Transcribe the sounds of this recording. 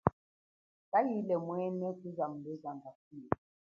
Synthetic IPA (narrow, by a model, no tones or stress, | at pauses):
kajilɛmwɛnɛkuzamlɛzaŋɡasie